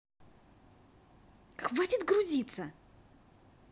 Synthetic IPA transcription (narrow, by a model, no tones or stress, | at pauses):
xvatʲɪt̪ɡɾʊzʲit̪sə